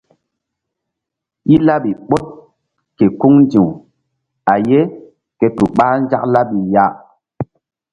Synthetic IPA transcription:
i˦la˦ɓi˨ɓo˦t̚ | ke˨ku˦ŋnd͡ʒi˨w | a˨je˦ | ke˨tu˨ɓaː˦n˦d͡ʒa˦kla˦ɓi˨ja˦

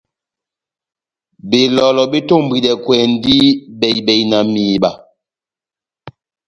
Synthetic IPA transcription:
be˨lɔ˨lɔ˨bi˦to˦˨m˨bi˨ɗɛ˨kwɛ˨n˦di˦bɛ˨jbɛ˨jna˨miː˨ɓa˨

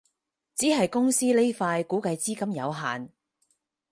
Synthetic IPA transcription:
t͡siː˨˥ɦɐ˨jkʊ˥ŋsiː˥le˥jfaː˧jkuː˨˥kɐ˧jt͡siː˥kɐ˥mjɐ̰˨˧wɦa̰ː˨˩n

